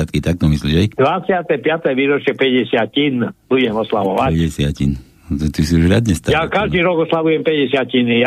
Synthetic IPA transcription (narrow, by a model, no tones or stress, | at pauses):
at̪kit̪ak̚t̪ɔmislid͡ʒɛjkd̪ʋat͡sjat̪ɛpɪat̪ɛʋiːɾɔt͡ʃjɛpɛɟɛsɪacinb̥uɟɛmɔsla̰ʋɔʋaɛɟɛsacin | t̪t̪isiuʒɾad̪ɲɛst̪ajakaʒd̪iːɾɔɡɔslaʋujɛmpɛɟɛsɪacinija